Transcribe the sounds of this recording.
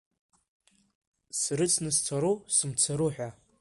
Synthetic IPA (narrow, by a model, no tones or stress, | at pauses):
srɨt͡sʰnɨst͡sʰaɾusɨmt͡sʰaɾuħʷᶣa